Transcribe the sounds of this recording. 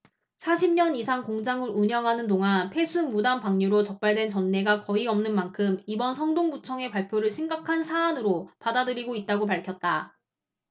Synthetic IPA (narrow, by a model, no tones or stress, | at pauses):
sʰaɕʰimɲʌnisʰaŋkoŋd͡ʑaŋɯɾuɲʌŋɦanɯndoŋɦanpʰe̞sʰumudampaŋɲuɾot͡ɕʌk̚p͈aɭdwe̞nt͡ɕʌnːe̞ɡakʌiʌmnɯnmankʰɯmibʌnsʰʌŋdoŋbut͡ɕʰʌŋe̞paɭpʰjoɾɯɭɕʰimɡakʰansʰaːnɯɾopadadɯɾiɡoit̚t͈aɡop̬aɭkʰjʌt̚t͈a